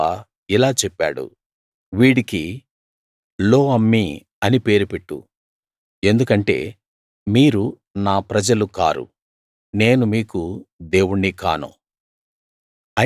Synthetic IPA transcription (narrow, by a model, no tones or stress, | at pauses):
a | ilaːt͡ʃɛpːa̰ːɽṵ | ʋiːɽiki | lo̞ːɐmːi | ɐnipe̞ːɾupeʈːṵ | e̞nd̪ukɐɳʈe̞̰ː | miːɾu | naːpɾɐd͡ʒɐluka̰ːɾṵ | ne̞ːnumiːkud̪e̞ːwuɳːika̰ːnṵ | ɐ